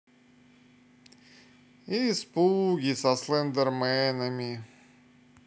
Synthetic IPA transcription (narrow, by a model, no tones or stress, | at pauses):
ispuɡʲisɐslˠɛnd̪ɛrmɛnəmʲɪ